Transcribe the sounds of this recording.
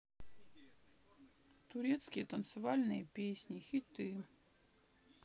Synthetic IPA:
t̪ʊɾʲet̪skʲɪjət̪ənt̪sɨvalʲnɨjəpʲesʲnʲɪxʲɪt̪ɨ

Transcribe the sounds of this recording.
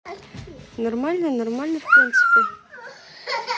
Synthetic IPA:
normalʲnənormalʲnəfʲpɾʲint̪sɨ̥pʲɪ

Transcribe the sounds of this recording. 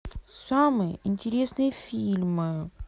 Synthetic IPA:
samɨjəɪnʲtʲɪɾʲe̞snɨjəfʲilʲmɨ

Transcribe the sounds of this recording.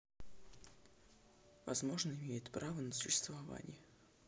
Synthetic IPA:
vɐzmo̞ʐnəɪmʲejɪt̪pɾʔavənəsʊ̥ɕːɪst̪vɐva̰nʲɪjə

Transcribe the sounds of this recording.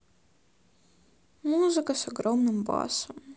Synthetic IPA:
muːzɨkɐsɐɡɾɔmnɨmbɑ̰ːsɐm

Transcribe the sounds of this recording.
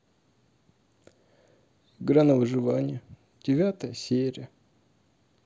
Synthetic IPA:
ɪɡɾanəvɨʐɨvanʲɪjə | d̥ʲɪvʲat̪əjəsʲeɾʲɪjə

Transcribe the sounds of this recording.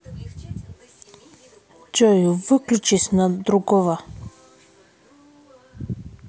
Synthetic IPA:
d͡ʒɔjuvəklʲut͡ʃisnad̪ɾuɡɔva

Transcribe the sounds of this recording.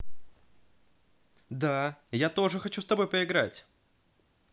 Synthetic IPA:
d̪ajat̪o̞ʐɨxɐt͡ɕust̪ɐbo̞jpəɪɡɾatʲ

